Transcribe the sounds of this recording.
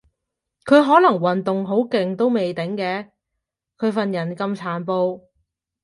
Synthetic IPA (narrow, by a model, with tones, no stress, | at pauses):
kʰɵ˨˧ɥɦɔː˨˥lɐ˨˩ŋwɐ˨nt̪ʊ˨ŋɦo˨˥wkɪ˨ŋt̪o˥wme˨jt̪ɪ˨˥ŋkɛː˨˧˥ | kʰɵ˨˧ɥfɐ˨njɐ˨˩nkɐ˧mt͡sʰaː˨˥npo˧w